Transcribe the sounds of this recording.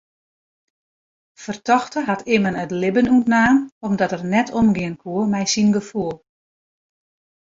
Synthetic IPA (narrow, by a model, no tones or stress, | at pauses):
fərtɔxtəɦatɪmənətlɪbənutnaːnɔmdɔtərnɛtʰɔmɡɪənkʰuəmɛjsinɡəfuəlˠ